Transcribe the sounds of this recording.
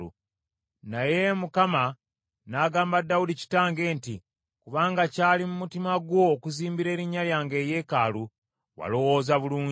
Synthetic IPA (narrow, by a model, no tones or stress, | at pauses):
u | naje̞mukama | naːɡaːmbadːawudici̥taːŋɡe̞ːnti | kuβaːŋɡacaːlimumutimaɡwo̞ːkuziːmbiɾe̞ːɾiɲːaljaːŋɡe̞ːje̞ːkaːlu | wa̰lo̞wo̞ːzaβuluːɲ